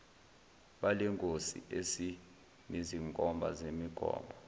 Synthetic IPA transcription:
ɓalɛŋkʼosḭʔesi | miziŋkʼɔmbʱa̰zemiɡ̥ʱɔ̰ːmbʱɔ

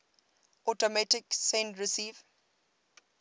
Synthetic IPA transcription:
ʔɔtɔmatɪksɛ̃ndɹɪsiːv

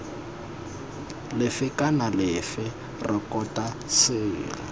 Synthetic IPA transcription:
lɪfɪkʼanalɪfɪ | rɪkʼɔtʼa | sɪːla

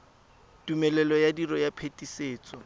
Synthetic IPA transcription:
tumɛlɛlɔjadirɔjapʰetʼiseːt͡sʼɔ

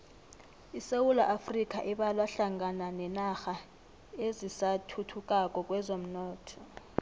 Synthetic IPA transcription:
isewulaʔafrikʼaʔiɓalwaɬaŋɡananɛnaxa | ezisatʰutʰukʼakʼɔk̬ʼwɛzom̩nɔːtʰɔ

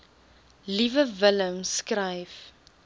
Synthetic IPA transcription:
livəvələmskrɐjf

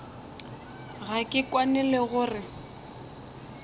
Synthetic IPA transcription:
ɣakʼɪkʼwanɛlɛɣʊːrɪ

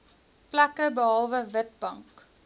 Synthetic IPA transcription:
plɐkəbəɦɒlˠvəvət̚bɐŋk

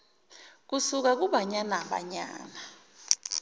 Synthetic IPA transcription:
k̬usuk̬ak̬uɓaɲanaɓa̰ɲa̰ːna

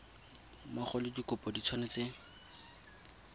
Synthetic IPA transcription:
maχɔlɪdikʊpɔdit͡sʰwanɪt͡seːŋ̩

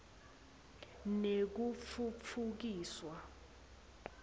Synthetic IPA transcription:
nek̬ufʰufʰuk̬iːswa

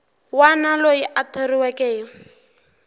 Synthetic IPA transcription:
wanalojiʔatʰeriwɛkʼɛːjɔ

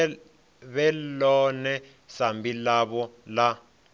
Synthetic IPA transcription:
βɛlɔnɛ | sambilaβɔla

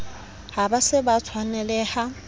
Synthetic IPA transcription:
habasɪbat͡sʰwanɛlɛha

